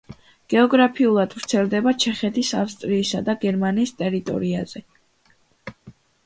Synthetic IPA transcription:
ɡ̥ɛɔɡɾapʰiulˠad̪̥vɾt̪sʰɛlˠd̪ɛbat͡ʃʰɛχɛt̪ʰisafst̪ʼɾiːsad̪aɡɛɾmaniːst̪ʼɛɾit̪ʼɔ̰ɾiaz̥ɛ

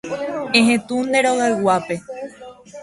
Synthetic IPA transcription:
ẽɦẽ̞t̪ũnd̪e̞ɾo̞ɣaɨwape̞

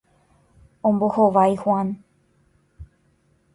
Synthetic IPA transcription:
õmbo̞hoʋajhwãn

